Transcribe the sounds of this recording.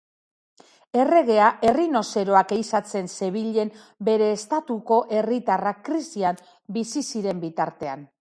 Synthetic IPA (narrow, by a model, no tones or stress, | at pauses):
e̞re̞ɣe̞aʔe̞rino̞se̞ɾo̞aɡejsat͡se̞nse̞β̞iʎe̞m | be̞ɾe̞ːst̪at̪uko̞ʔe̞rit̪arakɾisiam | bisisiɾe̞mbit̪aɾt̪e̞an